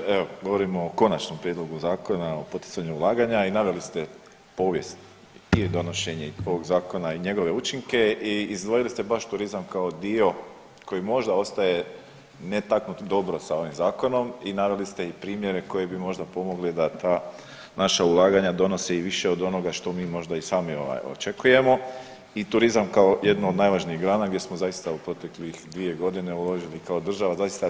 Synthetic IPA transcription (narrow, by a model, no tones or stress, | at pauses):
eoɡo̞ʋo̞ɾimoːko̞nat͡ʃno̞mpɾjed̪lˠo̞ɡuzaːko̞naopo̞t̪i̥t̪saɲuulˠaːɡaɲainaʋe̞list̪e̞ | po̞ːʋje̞st̪ | id̪o̞no̞ʃeɲeo̞ʋo̞ɡzaːko̞naiɲe̞ɡo̞ʋe̞ut͡ʃiŋke̞iizd̪ʋojilist̪ebaʃt̪uɾizamkaod̪io̞ | ko̞jimo̞ʒd̪ao̞st̪aje̞ | ne̞t̪aknut̪d̪o̞bɾosao̞ʋimzaːko̞no̞minaʋelist̪eipɾiːmje̞ɾe̞ko̞je̞bimo̞ʒd̪apo̞mo̞ɡlid̪at̪aː | naʃaulˠaːɡaɲad̪o̞no̞seiʋiʃe̞o̞d̪o̞no̞ɡaʃt̪o̞miːmo̞ʒd̪aisaːmio̞̰ʋa̰jo̰t͡ʃe̞kuje̞mo̞ | it̪uɾizamkaojed̪nood̪naːjʋaʒniiɣɡɾaːnaɡ̪je̞smo̞zaist̪aupɾo̞t̪e̞klixd̪ʋie̞ɡo̞d̪ine̞ulo̞ʒilikaod̪r̩ʒaʋazaist̪a